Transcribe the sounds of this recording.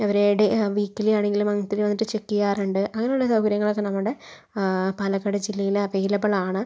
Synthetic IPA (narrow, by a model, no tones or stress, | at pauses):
ɐʋɐɾeːɽeʋiːkːilijaːɳe̞ŋɡilumɐŋt̪ːiɾiʋɐnːiʈːɨt͡ɕekːijaːruɳɖɨʔɐŋːɐnejuɭːɐd̪ɐuɡɐɾjɐŋːɐɭo̞kːenɐmːuɽe̞ | pɐlɐkːɐɽed͡ʑilːɐjilɐʋɐjilɐpːɐɭaːɳɨ